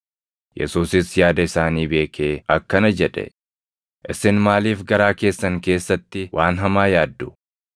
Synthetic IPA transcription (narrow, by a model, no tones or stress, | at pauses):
jʔɛ̰suːsɪsjaːd̪ɐɪsaːniːbe̞ːkʰeːɐkːɐnɐd͡ʒɛᶑɛ̰ | ʔɪsɪnmaːliːfɡɐɾaːke̞ːsːɐŋke̞ːsːɐt̪ːɪwʔaːnɦɐmaːjaːd̪ːʊ